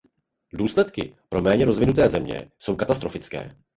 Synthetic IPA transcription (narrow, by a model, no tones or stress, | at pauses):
duːslɛt̪kɪ̰pɾo̞mɛːɲɛɾo̞zvɪnut̪ɛːzɛmɲɛ̰so̞wkat̪ast̪ɾo̞fɪt͡skɛ̰ː